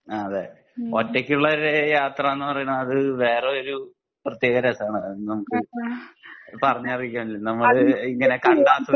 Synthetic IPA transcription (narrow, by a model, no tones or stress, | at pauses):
aɐðe | otːekʲːuɭːɐoɾejaːt̪rɐenːɨpɐrɐjuɳɐðɨʋe̞ːre̞o̞ɾu | prɐt̪jeːɣɐɾɐsaːɳɨnɐmukːɨ | pɐrɐɲːɐrikʲːɐɳɖilnɐmːɐɭiŋːɐne̞kɐɳɖaːt̪ːu